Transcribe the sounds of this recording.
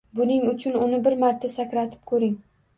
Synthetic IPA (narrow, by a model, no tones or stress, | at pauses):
bʊnɪŋʊt͡ʃʰʊnʊnɪbɪɾmaɾt̪ʰasakʲɾat̪ʰɪ̥p̚kʰɵɾɪŋ